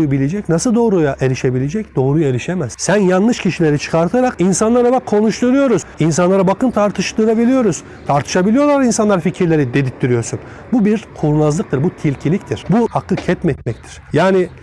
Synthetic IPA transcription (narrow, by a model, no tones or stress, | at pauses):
jubilʲed͡ʒɛcnasɯlˠd̪o̞ːɾujaʔe̞ɾiʃe̞bilʲed͡ʒɛcd̪̥o̞ːɾujaeɾiʃemæz̥sænjanːˠɯʃcʰiʃilʲeɾit͡ʃʰɯ̥kʰaɾt̪ʰaɾakinsanlˠaɾabakkʰo̞nuʃt̪ʰuɾujo̞ɾuz̥ins̬anlˠaɾabakʰɯnt̪ʰaɾt̪ʰɯʃt̪ɯɾabilʲijo̞ɾuz̥ | t̪ʰaɾt̪ʰɯ̥ʃabilʲijo̞lˠaɾinsanlˠaɾficʰiɾlʲe̞ɾid̪e̞d̪ip̚t̪ʰːiɾijo̞ɾsun | bubiɾkʰulnˠazlˠɯk̚t̪ʰɯɾbut̪ʰilʲcʰilʲic̚t̪ʰiɾ̥buhakʰːɯcʰɛt̪mɛt̪mɛc̚t̪ʰi̥ɾ̥jaːni